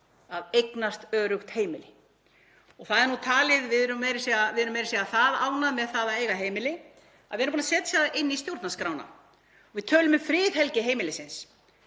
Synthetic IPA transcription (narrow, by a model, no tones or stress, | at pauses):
aðejknast̪œːɾʏxt̪heːjmɪlɪ | ɔɣθaðɛɾnut̪ʰaːlɪðvɪðɾʏmːɛjɾɪsɛavɪðɛɾʏmejɾɪ̥sɛɣaθaðaːwnaðmɛðθaːðaejɣaɦeːjmɪlɪ | a̰ðɪɛɾmpunasɛːt̪sɛːðaʔɪnːist̪jowɾt̪naskɾawna̰ | ɔɣvɪðt̪ʰœːlʏmɪfɾɪːðɦɛlcɪɦeːjmɪlɪsɪns